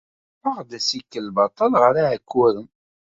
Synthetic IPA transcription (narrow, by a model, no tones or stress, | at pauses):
əʁd̪æsikːəlːbɑt̪ˤːɑlʁəɾaʕəkːʊɾəm